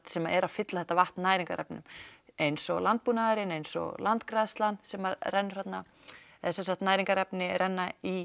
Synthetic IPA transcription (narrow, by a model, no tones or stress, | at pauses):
t̪sɛmaʔɛɾafɪt̪laθɛht̪avaht̪naːjɾiŋka̰ɾɛ̰pnʏ̰mejnsɔɣlant̪̚punaɾɪnejnsɔ̰ɣlant̪kɾaðst̪lansɛmaɾrɛnːɾ̥at̪na | ɛsɛnsaht̪naːjɾiŋkaɾɛpnɪrɛnːai